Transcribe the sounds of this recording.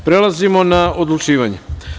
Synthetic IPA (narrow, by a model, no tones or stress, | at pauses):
pɾe̞lazimo̞naod̪lut͡ʃiːʋaɲe